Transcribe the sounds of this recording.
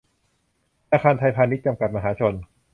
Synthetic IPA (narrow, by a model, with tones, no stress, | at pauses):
ʔaː˧kʰaː˧nt̪ʰa˧jpʰaː˧ni˦˥t̪̚t͡ɕa˧mka˨˩t̪̚ma˧ɦaː˩˦˥t͡ɕʰo˧n